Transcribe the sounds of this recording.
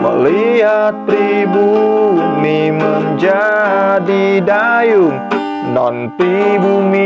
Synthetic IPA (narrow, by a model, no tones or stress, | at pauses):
mə̰liɦat̪̚pɾibumimənd͡ʒadidajuŋ | nɔnpɾibumi